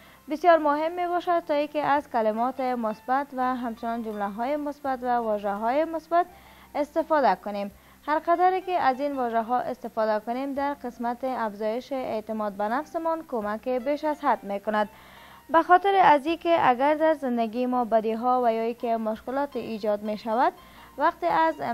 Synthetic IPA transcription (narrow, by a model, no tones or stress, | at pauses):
bɪsjɔɾmʊɦɪmːeβɔʃad̪̚t̪ːɔikɪʔazkalɪmɔt̪ɪmʊsbat̪vaɦamt͡ʃɪnɔnd͡ʒʊmlaɦɔjɪmʊsbat̪vawɔʒaɦɔjɪmʊsbat̪ | ɪst̪ɪfɔd̪akʊnem | haɾqad̪aɾɪkɪazinvɔʒaɦɔʔɪst̪ɪfɔd̪akʊnemd̪aɾqɪsmat̪ɪafzɔjɪʃɪʔet̪ɪmɔd̪̚banafsɪmɔnkomakɪbeʃazɦad̪mekʊnad̪ | baxɔt̪ɪɾɪazikɪʔaɡaɾd̪aɾzɪnd̪aɡiɪmɔbad̪iɦɔvajɔikɪmʊʃkɪlɒt̪eʔid͡ʒɒd̪meʃavad̪ | waqt̪eʔaz